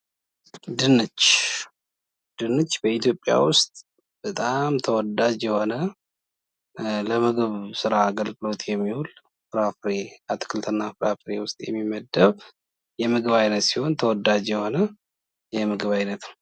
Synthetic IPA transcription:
d̪ɨnːɨt͡ʃː | d̪̥ɨnɨt͡ʃːbəit̪ʰjo̞pʼːja̰wʊst̪ʼ | b̥ət̪ʼamt̪ʰəwɔd̪ad͡ʒjɛho̞nə | ləmɨɡɨβsɨɾaɡəlɡʼɨlo̞t̪jɛmːihul | fɨɾafɾeat̪ʰkʰɨlt̪ʰɨnːafɨɾafɨɾe̞wʊst̪ʼjɛ̰mːimːəd̪əβ | jɛmɨɡɨβajnət̪siho̞nt̪ʰəwɔd̪ad͡ʒjɛho̞nə | jɛmɨɡɨβajnət̪n

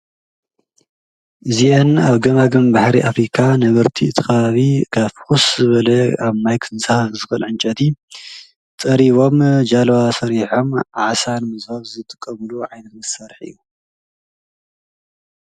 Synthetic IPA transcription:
ʔɨzienaβɡɐmaɡɨmbaħɾiʔafɾikʰanɐβɐɾt̪ʰiɨt̪ʰixɐβaβikʰafxuszɨβɐlɐaβmajkʰɨnsahfzɨfɐlʕɨnt͡ʃʼɐt̪ʰi | t̪ʼɐɾiβo̞md͡ʒalɐwasɐɾiħo̞mʔaʕsanmɨzaβzɨt̪ʼɨ̥kʼːɐmɨluʕajnɐt̪mɨsɐɾħɨ̰jːu

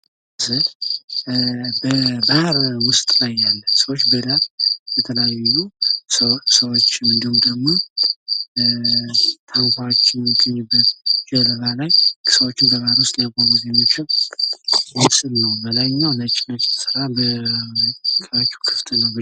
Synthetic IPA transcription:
sə | bəbahɾwʊst̪ʼlajːalːəmsəwot͡ʃːbəd̪ajɛt̪ʰəlejaju | səwo̞t͡ʃːɪɨnd̪ihumd̪əɡmo̞ | t̪ʰaŋkʰʷawot͡ʃːɪnɨɡʼəɲːɪbːət̪d͡ʒɛləβalajksəwot͡ʃːɪnbəβaɾwʊst̪ʼlakamuzemot͡ʃːɪw | waksɨlnəwbəlajnːawlət͡ʃʼːɪnat͡ʃːɛt̪sɨɾabə | kʰʼəwat͡ʃːɛwkʰɨ̥ft̪ʰɨnəwb

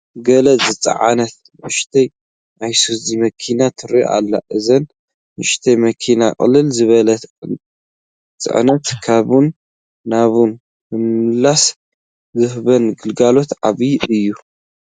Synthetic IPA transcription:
ɡɐlɐzɨt͡sʼɐ̰ʕa̰nɐt̪̚ | mɨʃt̪ʰɐj | ʔajsuzimɐkʰinat̪ʰɨɾijʔa̰lːa̰ʔɨzɐn | mɨʃt̪ʰɐjmɐkʰinaqʼɨ̰lːɨlzɨβɐlɐ | t͡sʼɨ̰ʕnɐt̪kʰaβunː | aβun | mɨmɨlːas | zɨhbɐnɡɨlɡalo̞t̪ʕaβiɨjːu

